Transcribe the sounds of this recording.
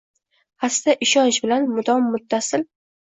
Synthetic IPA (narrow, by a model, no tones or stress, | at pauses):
hasd̪aʔɪʃɒnt͡ʃbɪlanmʊd̪ɒmːʊt̪ʰːasɪl